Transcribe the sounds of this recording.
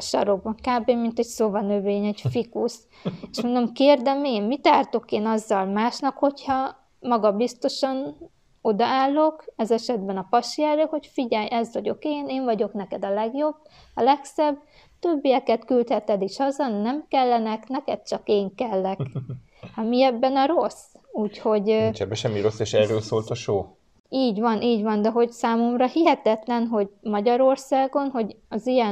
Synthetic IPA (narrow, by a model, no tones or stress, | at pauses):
ʃɒ̰ɾobɒŋkaːbeːmːint̪ɛcsovɒnøveːɲɛɟfikus | eʃmond̪omkeːrd̪ɛmeːmmit̪aːrt̪o̞keːnɒzːɒlmaːʃnɒkho̞chɒ | mɒɡɒbist̪o̞ʃɒn | o̞d̪ɒaːlːo̞kɛzɛʃɛd̪bɛnɒpɒʃiɛɾøhocfiɟɛjʔɛzʋɒɟo̞keːneːɱvɒɟo̞knɛkɛd̪ɒlɛɡjo̞bː | ɒlɛksɛb | t̪ø̞bːijɛkɛt̪kylt̪hɛt̪ɛd̪iʃhɒzɒnːɛmkɛlːɛnɛknɛkɛt̪̚t͡ʃɒkeːŋkɛlːɛk | hɒmiɛbːɛnɒɾo̞suːcho̞ɟt͡ʃɛbɛʃɛmːiɾo̞sːeːʃɛrøːlsoːlt̪ɒʃoː | iːɟʋɒnʔiːɟvɒnd̪ɛɦo̞ɟsaːmomrɒhiɦɛt̪ɛt̪lɛnɦo̞ɟmɒɟɒɾo̞rsaːɡo̞nɦo̞ɟ | ɒzijɛ